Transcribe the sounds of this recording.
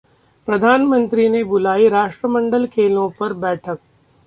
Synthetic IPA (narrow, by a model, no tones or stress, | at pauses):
pɾɐd̪ʱaːnmə̃nt̪ɾiːnebʊlaːiɾaːʃʈɾəmɐ̃ɳɖəlkʰeːlõpɐɾbɛːʈʰək̚